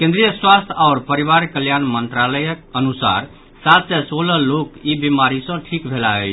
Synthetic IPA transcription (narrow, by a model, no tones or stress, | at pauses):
kẽnd̪ɾijəswast̪ʰaːɾpəɾiβaɾkəljanmənt̪ɾaləjəkənusa̰ɾ | sat̪sɛsoləlokibimaɾisə̃ʈʰikbʱelaə̰ɪt͡ʃʰ